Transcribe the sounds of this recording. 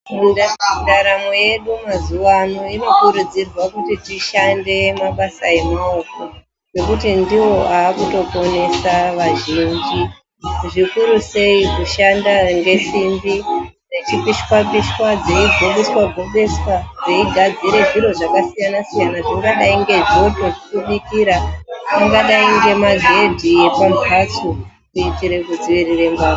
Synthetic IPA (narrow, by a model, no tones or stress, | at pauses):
mundadaɾameje̞ɗumazuwanoino̞kuɾud͡zirwakutitiʃande̞maɓasae̞maoko | ʐe̞kutindiwo̞aːkuto̞po̞ne̞saʋaʒind͡ʒi | ʐikuɾuse̞ikuʃandaŋɡe̞simbi | ret͡ʃipiʃkwapiʃkwad͡zeiɡʱo̞ɓeswaɡʱo̞ɓeswad͡zeiɡʱad͡ziɾe̞ʐiɾo̞ʐakasijanasijanaʐiŋɡaɗaiŋɡe̞ʐo̞to̞ʐikuɓikiɾaiŋɡaɗaiŋɡe̞maɡe̞dʱije̞pampʰat͡su | kuitiɾe̞kud͡ziʋirirembao